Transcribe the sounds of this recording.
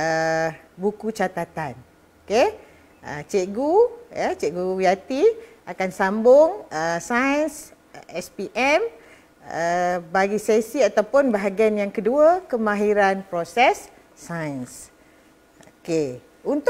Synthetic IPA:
əbukut͡ʃat̪at̪an | oke | ə̰t͡ʃeʔɡuət͡ʃeʔɡuwiat̪i | akansambʊŋəsajəns | ɛspiʔɛm | əbaɡisesiat̪awpʊnbaɦaɡianjaŋkəduəkəmãɦiɾanpɾosɛsː | ajəns | oke | unt̪

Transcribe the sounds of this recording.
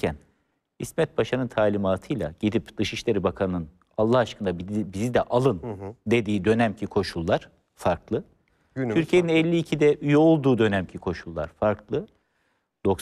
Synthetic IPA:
æn | hismɛt̪̚baʃanɯnt̪ʰaːlʲimaːt̪ʰɯjlˠa̰ɟ̥id̪ipd̪̥ɯʃiʃlʲe̞ɾibakʰanɯnɯn | alˠːahaʃkɯnd̪abizid̪ɛʔalˠɯnd̪e̞d̪iːd̪ø̞næmcʰikʰo̞ʃulˠːaɾ̥ | faɾklˠɯ | yɾcie̞ninɛlʲːiːcʰid̪ɛʔyjo̞lˠd̪uːd̪ø̞næmcʰikʰo̞ʃulˠːa̰ɾ̥faɾkʰlˠɯ | d̪̥o̞k

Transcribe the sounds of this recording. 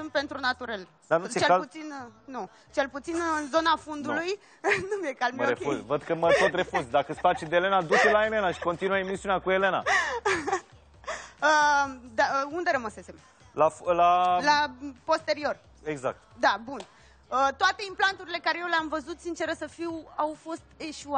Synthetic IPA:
sɨm̚pe̞nt̪ɾunat̪uɾel | d̪anuet͡ʃeput̪sinnu | t͡ʃe̞lput̪sinɨnzo̞nafund̪uluj | numjekalməɾefuzvəd̪kəmət̪ot̪re̞fuzd̪akəsfat͡ʃid̪eele̞nad̪ut͡ʃelaele̞naʃi̥ko̞nt̪inuəemisiuneakue̞le̞na̰ | əd̪aund̪e̞ɾəməsesem | laflalapo̞st̪e̞ɾio̞r | eɡza̰k̚t̪d̪abun | ət̪oat̪e̞implant̪uɾile̞kaɾe̞jewleamvəzut̪sint͡ʃe̞ɾəsəfiwawfo̞st̪e̞ʃua

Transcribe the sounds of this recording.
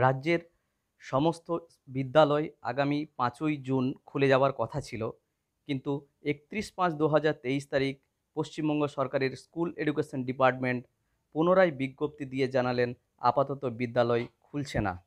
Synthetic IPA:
ɾaːʑeɾ | ʃɔmost̪o | bid̪ːalɔea̰ɡamipãt͡ɕojd͡ʑunkʰuled͡ʑaoaɾkɔt̪ʰat͡ɕʰilo | kint̪u | ek̚t̪ɾiʃpãt͡ɕd̪uɦad͡ʑaɾt̪eiʃt̪aɾik̚ | poʃt͡ɕimbɔŋɡoʃɔɾkaɾeɾskuleɖukeʃonɖipaɾʈmeɳʈ | punoɾajbiɡːop̚t̪id̪ijed͡ʑanalen | a̰pat̪ɔt̪obid̪ːalɔekʰult͡ɕʰena̰

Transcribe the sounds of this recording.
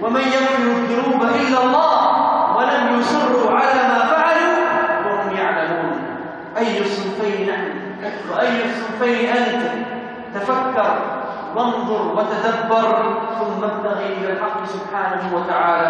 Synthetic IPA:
wamanjabfɪjɪðd̪ʊɾuːbaʔɪlːalˤːɑɑːhwalamjʊsˤʊrːuʕalaːmaːfaʕaluːwahʊmjaʕlamuːn | ʔajːʊsˤɨlfajnnaħmi | wɪʔajːʊsˤːɨːfajnʔant̪ɪ | t̪afakːɑɾˤ | wɑnðˤʊɾwat̪ad̪abːɑɾˤθʊmːabt̪aɣiʔɪlalħɑqːsʊbħaːnahuwat̪aʕaːla

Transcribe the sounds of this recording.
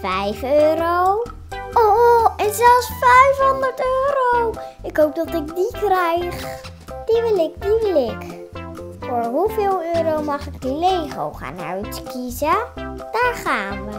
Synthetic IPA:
fɛjføːɾow | ʔoɛnzɛlˠsfɛjfɦondəɹtøːɾowɪkɦowp̚dɔtɪk̚dikrɛjχ | d̥iʋɪlɪkdilɪk | foːɹɦuvɪːlˠøːɾowmɑχɪk̚dileːɣo̰wχa̰ːnœ̰ɥtkizəd̥aːɹχaːnʋə

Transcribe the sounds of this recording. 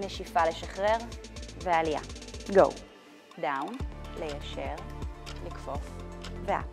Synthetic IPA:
neʃifale̞ʃaχʁeʁvealija̰ɡo̰w | dawnle̞jaʃeʁlikfo̞fvea̰

